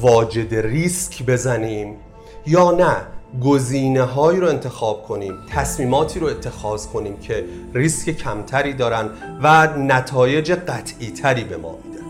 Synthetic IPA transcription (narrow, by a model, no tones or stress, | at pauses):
vɒːd͡ʒe̞d̪eriːskʰbe̞zæniːm | jɒːnæɡo̞ziːne̞ɦɒːiɾoe̞nt̪ʰe̞xɒːb̥̚kʰo̞niːmt̪ʰæsmiːmɒːt̪ʰiːɾoe̞t̪ʰːe̞xɒːz̥kʰo̞niːmcʰe̞ | riːsce̞cʰæmt̪ʰæɾiːd̪ɒːɾænd̪vænæt̪ʰɒːje̞d͡ʒe̞ɢæt̪ʰʔiːt̪ʰæɾiːbe̞mɒ̰ːmid̪e